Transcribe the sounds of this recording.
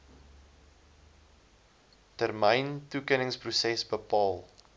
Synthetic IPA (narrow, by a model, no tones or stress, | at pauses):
tərməjntukənəŋsprusɛsbəpɑːlˠ